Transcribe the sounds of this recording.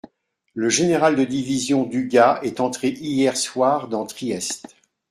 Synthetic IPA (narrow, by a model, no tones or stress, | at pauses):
ləʒeneʁald̪əd̪ivizjɔ̃d̪yɡaɛt̪ɑ̃t̪χeʔijɛʁswaːʁd̪ɑ̃t̪χiɛst̪